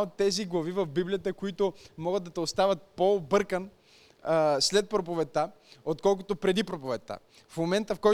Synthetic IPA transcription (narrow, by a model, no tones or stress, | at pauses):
ot̪ːɛziɡlˠɐvivɐvbiblijət̪əkoit̪omɔɡəd̪ɐt̪ɛost̪avɐt̪̚pobɤɾkən | slɛt̪̚pɾopovɛt̪ːa | ot̪kɔlˠk̬ʊt̪opɾɛd̪ipɾopovɛt̪a̰ | fmomɛnt̪əfkɔj